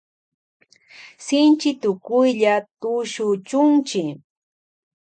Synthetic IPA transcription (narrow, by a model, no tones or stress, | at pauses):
sɪnt͡ʃɪt̪ʊkʊjʎat̪ʊʃʊt͡ʃʊnt͡ʃɪ